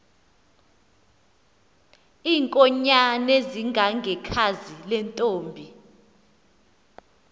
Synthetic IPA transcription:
iːŋkʼɔɲanɛziŋɡʱaŋɡʱɛkʰazilɛntʼoːmbʱi

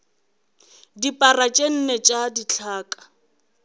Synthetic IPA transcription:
dipʼarat͡ʃʼen̩net͡ʃʼadit͡ɬʰaːkʼḁ

